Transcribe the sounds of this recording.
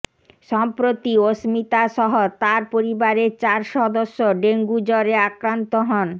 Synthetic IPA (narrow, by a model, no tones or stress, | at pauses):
ʃɔmpɾot̪iosmit̪aʃɔɦot̪aɾpoɾibaɾeɾt͡ɕaɾʃɔd̪oʃːoɖeŋɡud͡ʑɔɾeakɾant̪oɦɔn